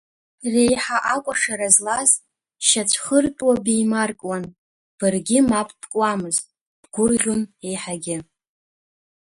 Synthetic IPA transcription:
rejħaʔakʷʼaʂaɾazlaz | ʃat͡ʃʷʰχərtʼwabejmarkʼwan | b̥ɨrɡʲɪmapʼb̥kʼwamɨztʼ | b̥ɡʷʊrʁʲʊne̞jħaɡʲɪ

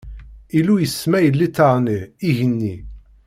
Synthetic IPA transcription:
ilujəsːmæjəlːit̪ːɑʁˤniiʝənːi

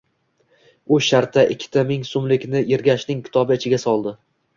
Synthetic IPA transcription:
ʊʃaɾt̪ʰːaʔɪkʲʰːɪ̥t̪ʰamɪŋsʊmlɪkʲnɪeɾɡʲaʃnɪŋkʲʰɪ̥t̪ʰɒbɪɪt͡ʃʰɪɡʲasɒlˠd̪ɪ

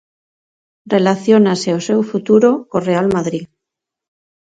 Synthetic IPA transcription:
relaθjonaseosewfut̪uɾokorealmaðɾi

